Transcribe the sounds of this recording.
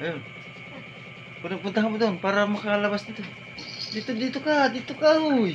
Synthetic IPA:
jo | punpunt̪aŋanbut̪uanpaɾamakalabasd̪it̪u | dit̪udit̪ukadit̪ukaɾuj

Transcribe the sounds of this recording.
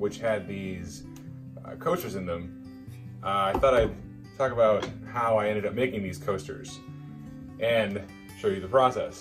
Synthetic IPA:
wɨt͡ʃhɨd̪̚ðiz̥̰ | kʰoʊstə˞zɨ̃nðɨ̃m | aɪθɔɾaɪ | tʰɔkəbaʊt̚haʊaɪɛ̃ndɨɾʌp̚meɪkɪ̃ŋðiz̥kʰoʊstə̰˞z̥ | ʔɨ̃n | ʃoʊjɨðəpʰɹ̥ɔsɛ̰s

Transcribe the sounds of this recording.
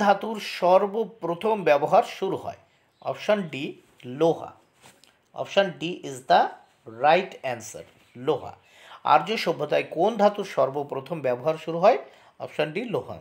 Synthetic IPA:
d̪ʱat̪uɾʃɔɾbopɾot̪ʰombɛboɦaɾʃuɾuɦɔ̰e | ɔ̰pʃonɖi | loɦa̰ | ɔ̰pʃonɖiʔizd̪a | ɾajʈɛnsa̰ɾ | loɦa̰ | a̰ɾd͡ʑoʃobʱːot̪aekond̪ʱat̪uɾʃɔɾbopɾot̪ʰombɛboɦaɾʃuɾuɦɔe | ɔ̰pʃonɖiloɦa̰

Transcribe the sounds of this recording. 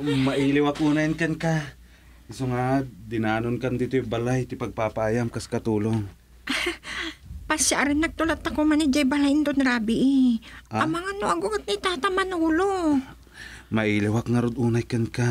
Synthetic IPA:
mɐʔiːlɪwakʔuːnajnkɐnka | ɪsoŋad̪ɪnaːnonkand̪iːt̪ojbalajt̪ɪpɐɡ̚papaʔaːjamkaskɐt̪uːloŋ | pasaʔɾɪnːɐɡ̚t̪ʊlat̪ːɐkomanɪd͡ʒajbɐlajnd̪onɾaːbɪʔɪamɐŋanoʔaɡʊɡat̪̚nɪt̪aːt̪amɐnuːlo | mɐʔiːlɪwakŋɐɾod̪ʔuːnajkɐnka

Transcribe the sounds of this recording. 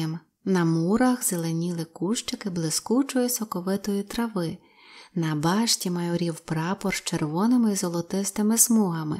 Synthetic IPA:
m | nɐmuɾɐxzelˠenʲilˠɪkuʃt͡ʃɪkɪblˠɪskut͡ʃɔjisɔkɔʋɪt̪ɔjit̪ɾɐʋɪ | nɐbɑʃtʲimɐjɔɾʲiwpɾɑpɔrt͡ʃerʋɔnɪmɪizɔlˠɔt̪ɪst̪ɪmɪsmuɦɐmɪ̰

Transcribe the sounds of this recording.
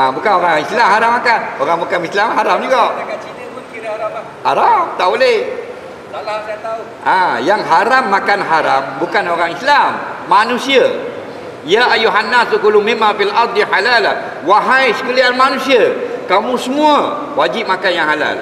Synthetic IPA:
abukanoɾaŋislamhaɾamːakanoɾaŋbakanmislamɦaɾamd͡ʒuɡaʔ | haɾamt̪aʔbolɛh | ʔãjaŋɦaɾamːakanɦaɾambukanoɾaŋislamːanũsia | jaʔajːuɦanːasukulumimːafilʔɑɾˤd̪ˤiħalala | waɦajsə̥kulianmanũsiakamũsəmũa | wad͡ʒip̚makanjaŋɦala̰l

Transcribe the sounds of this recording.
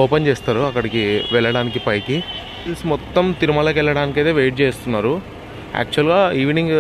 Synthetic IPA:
ɔːpɐnt͡ʃeːst̪aːɾuɐkːɐɽikiʋɛɭːɐɽaːnikipɐjki | ismɔt̪ːɐmt̪iɾumɐlɐːkɛɭːɐɽaːnik̬iɐd̪eːʋeːʈ̚t͡ʃeːst̪unːaːɾu | æ̰ːk̚t͡ʃuɐlɡaːiːʋniŋɡ

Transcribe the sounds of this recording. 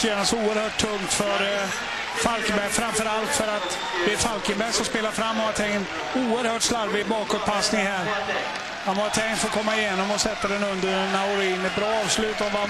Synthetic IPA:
ɕøːnasuːəɾhœːʈʰːɵŋt̪fœɾ | falkəbæɾfɾamfœɾalt̪fœɾat̪ | d̪ɛːfalkənbæɾsɔmspeːlafɾamːɔmat̪ʰɛŋ | uːəɾhœːʈslaɾbɪbɑːkɔt̪̚pʰasnɪŋhæːɾ | amat̪ʰɛŋkt̪fɔkʰɔmːaɪjeːnɔmɔsɛt̪ːad̪ɛnɵnd̪əɾnaʊɾiːnɛt̪̚bɾɑːɑːvslʉ̟ːt̪ɔva

